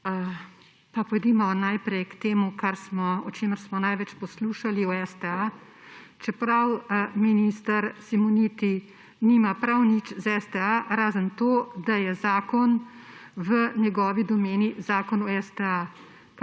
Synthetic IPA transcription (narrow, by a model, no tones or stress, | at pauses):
papɔjd̪iːmɔnajpɾɛjkt̪eːmukaɾsmɔɔt͡ʃeːməɾsmɔnajʋɛt͡ʃpɔsluʃaliɔɛst̪ɛa | t͡ʃɛpɾawminist̪aɾsimɔnit̪i | niːmapɾawnit͡ʃzɛst̪ɛaɾaːzənt̪oːd̪ajɛzaːkɔnʋənjɛɡɔːʋid̪ɔmeːnizaːkɔnɔɛst̪ɛa | p